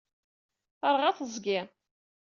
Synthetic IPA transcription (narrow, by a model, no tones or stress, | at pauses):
θəɾˤʁaθəzˤɡʲɪ